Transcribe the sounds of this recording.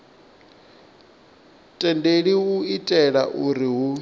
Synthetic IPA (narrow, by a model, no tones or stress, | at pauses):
tʼɛndeɺiuitʼɛɺaʔuɾiɦu